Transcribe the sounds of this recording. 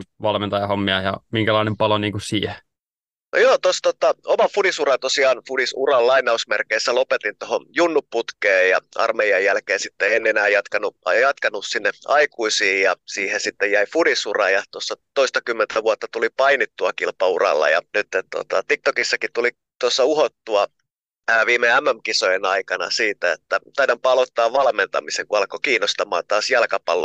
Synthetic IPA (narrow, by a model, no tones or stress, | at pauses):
ʋɑlment̪ɑjɑhomːiɑjɑmiŋkælɑinempɑloniːŋkusiːhe | no̰joːt̪ost̪ot̪ɑomɑfudisurɑnt̪osiɑːnfudisurɑllɑinːˑɑusmerkeːsːælopet̪int̪ohojunːupːut̪keːjjɑ̰ʔɑ̰rmeiɑjjælkeːsit̪ːeenːenæːjɑt̪kɑnuʔɑjɑt̪kɑnussinːeɑikuisiːjjɑsiːhesit̪ːejæifudisurɑjɑt̪osːɑt̪oist̪ɑkymːent̪ʰæʋuɑt̪ːɑt̪ulipɑinit̪ːuɑkilpɑurɑ̰lːɑ̰jɑ̰nyt̪ːet̪t̪uo̰t̪ɑ̰t̪ik̚t̪okisːɑkit̪uli | t̪uosːɑuhot̪ːuɑː | ʋiːmeæmːæmkisojenɑikɑnɑ̰siːt̪æḛt̪ːæt̪ɑidɑmpɑlot̪ːɑːʋʋɑlment̪ɑ̰miseŋkuɑlkokiːnːost̪ɑmɑ̰ːnt̪ɑːsjɑlkɑpɑ̰lːo̰